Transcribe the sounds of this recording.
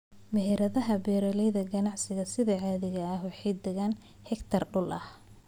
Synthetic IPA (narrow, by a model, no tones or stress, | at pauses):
mɛɦɛɾɐðɐɦɐbɛːɾɐlɛjðɐɡɐnɑʕsɪɣɐsɪðɐʕaːðɪɣɐːhwɑħɑjd̪ɛɣaːn | hɛkt̪ʰɐrɖʊlʔɐh